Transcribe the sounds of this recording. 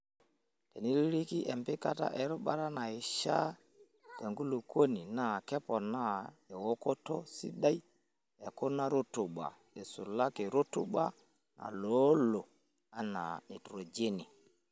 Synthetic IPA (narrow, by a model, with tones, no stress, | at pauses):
tɛ˨ni˦ɾi˦ɾi˦ki˦ʔɛ˨mbɪ˦ka˦ta̰˦ʔɛ˨˦ɾɔ˦ɓa˦ɾa˦na˨ɪ˨ʃa̰˦ | tɛ˨ŋɡu˦lo˨ko˦ni˨na˦˨kɛ˦pɔ˨na˦ɛ˨wo˦ko˦tɔ˦sḭ˦ɗa˦i˦ | ɛ˨kʊ˦na˦ɾo˦tʊ˨ɓa̰˨ | ɛ˨su˨la˦ke˨ɾo˦tṵ˦ɓa˦ | na̰˨lo˨˦lo˨ | a˦na̰˨ni˨tɾo˨d͡ʒe˦ni˨